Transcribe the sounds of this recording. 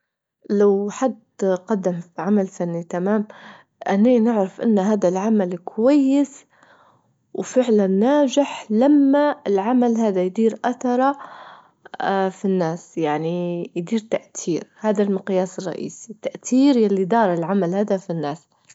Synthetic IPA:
lawħad̪ | qɑd̪ːamfʕamalfanːit̪amaːm | ʔanːeːnɪʕɾɪfʔɪ̰nːɦaːd̪alʕamalkʰʊwajːɪs | wfɪʕlanːaːd͡ʒɪħlamːaɪlʕamalɦaːd̪ajd̪iːɾʔaθɑɾˤɑ | finːaːsjaʕnijd̪iːɾt̪aʔt̪ʰiːɾhaːd̪almɪqjaːsɨrˤːɑ̰ʔḭːsit̪aʔt̪ʰiːɾjalːid̪ɑːɾˤɪlʕamalhaːd̪afinːaːs

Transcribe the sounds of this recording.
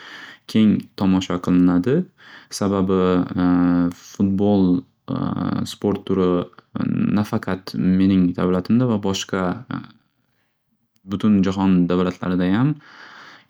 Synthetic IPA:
kʲʰe̞ŋt̪ʰɒmɒʃaqʰɨlˠɪnad̪ɪsababɪ | fʊt̪̚bolˠ | spoɾt̪ʰːʊɾɪ | nafaqʰɑt̪me̞nɪŋd̪avlat̪ʰɪmd̪avabɒʃqɑ | bʊt̪ʰʊnd͡ʒaɦɒnd̪avlat̪ʰla̰ɾɪd̪ajam

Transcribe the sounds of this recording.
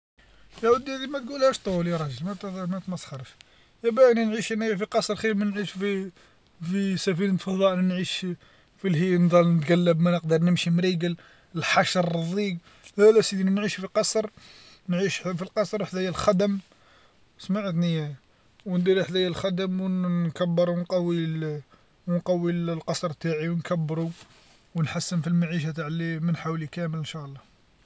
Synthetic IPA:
jæwəd̪iæd̪imæt̪ɡulhæʃt̪ˤuljæɾˤɑʒəlmæt̪mæt̪mæsˤxɑɾˤəʃ | jæbæʔninʕiʃəniæfiqɑsˤɾˤxilmænʕiʃfi | fisæfinət̪fɑðˤɑʔninʕiʃ | filhind̪ˤɑlnət̪ɡælːəbmænəqd̪əɾˤnəmʃimɾiɡəl | əlħaʃɾˤðˤiɡ | lælæsid̪inænʕiʃfiqɑsˤɾˤ | nʕiʃfilqɑsˤɾˤħd̪æjælxæd̪əm | smaʕət̪nijæ | wənd̪iɾiħd̪æjːælxæd̪əmwkæbːəɾwnqɑwːi | wnqɑwːilqɑsɾˤt̪aʕiwnkæbːɾu | wənħasːənfilmaʕiʃ̬at̪aʕlimənħawlikæmələnʃæʔlˤːɑ

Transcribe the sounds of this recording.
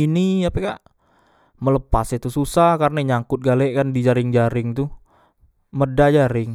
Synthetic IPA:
iniapekaʔ | mələpaset̪ususahkarnaɲaŋkʊt̪̚ɡalɛʔkandid͡ʒaɾɪŋd͡ʒaɾɪŋt̪u | mədad͡ʒaɾɪŋ

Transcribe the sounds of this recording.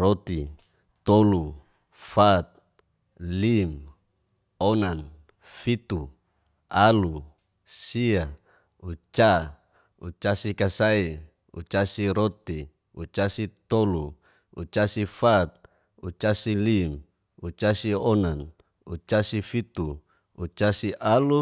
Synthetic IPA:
rot̪i | t̪olu | fat̪̚ | lim | onan | fit̪u | alu | sia | ut͡ʃa | ut͡ʃasikasai | ṵt͡ʃasiɾot̪i | ut͡ʃasit̪olu | ṵt͡ʃasifat̪̚ | ut͡ʃasilim | ut͡ʃasionan | ut͡ʃasifit̪u | ut͡ʃasiʔalu

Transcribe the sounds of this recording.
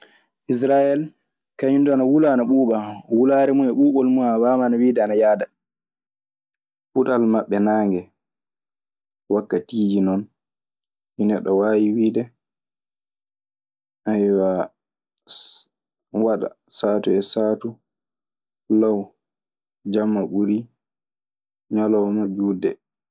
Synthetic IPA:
ʔis̬ɾajɛl | kaɲundanawulanaɓuːɓawulaːɾɛmunɛɓuːɓɔlmuawamanawiːdɛanajaːda | ɓuɗalmaɓːɛnaːŋɡɛ | wakːatiːd͡ʒinɔn | inɛɗɔwaːjiwiːdɛ | ʔajwa | waɗa̰ | saːtuɛsaːtu | law | d͡ʒamːaɓuɾi | ɲalɔwmad͡ʒuːdɛ̰

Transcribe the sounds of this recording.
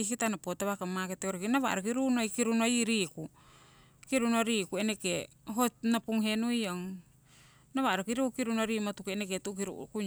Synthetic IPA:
ikitanapotaβakamaketeoɾekinaβa̰ɾokiɾunojkiɾuno̞jɾiku | kiɾunoɾikueneke | ɦonapuŋɦe̞nujoŋ | naβaɾokiɾukkiɾunoɾimatukeneketuʔkiɾṵku

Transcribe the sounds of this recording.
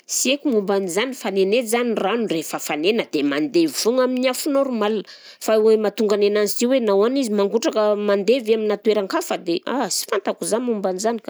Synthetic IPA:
siekumumbanizanifanenezaniranurefəfanenəd̪̥emand̪evivuŋaminiafunoɾumalanə | fawemat̪uŋɡanenanziziwenawanizimaŋɡuʈ͡ʂakəmand̪evaminat̪uweɾaŋkafəd̪eʔa̰si̥fant̪akuzamumbanizanikḁ

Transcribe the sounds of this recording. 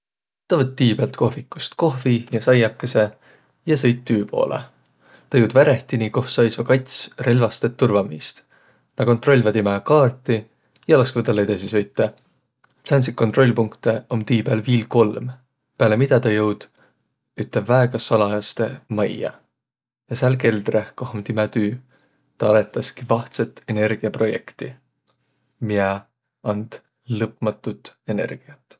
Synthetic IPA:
t̪ɑvɤt̪ːiːb̥elt̪̚ko̞hvikːˑu̥st̪ko̞ɦvijɑsɑjɑkːˑese̞ | jɑsɤ̞jt̪ːyːpo̞̰ːlʔḛ | t̪ɑjɤwd̪væɾeht̪iniko̞hsɑjsvɑkɑjt̪ʲsre̞lvɑst̪et̪ːurvɑmist̪ | nɑko̞nt̪ro̞lʲvɑd̪imekɑːrt̪ˑːi | jɑlɑskvɤt̪ːɑlːed̪̥ɑsisɤ̞jt̪ːˑe | flæns̬ikːot̪ro̞lʲːpuŋkt̪e̞omt̪iːbeælviːlko̞lm | peælemid̪̥ɑt̪ɑjɤwd̪̥ | yt̪ːˑebvæeɡ̥ɑsɑlɑjɑst̪e̞mɑjɑ̰ | jɑsælk̬e̞ld̪ɾekohomd̪̥imæt̪yː | t̪ɑɑle̞t̪ːˑɑskivɑht̪set̪ːˑe̞ne̞rɡ̥iɑpro̞je̞̰kt̪i | miɛ | ɑnd̪̥ | lɤpmɑt̪ːˑut̪e̞ne̞̰rɡ̥iɑt̪ː

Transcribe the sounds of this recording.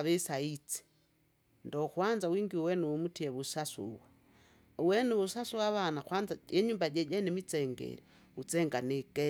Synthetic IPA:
βesait͡si̥ | ndɔxwanzawiːŋɡiwuwɛnuwumutiɛβusasṵwa | wɛnuβusasuwaβanaxwanzaɛɲuːmbaɟɛɟanemit͡sɛŋɡɛ̰ɾi | ut͡sɛŋɡanekɛ

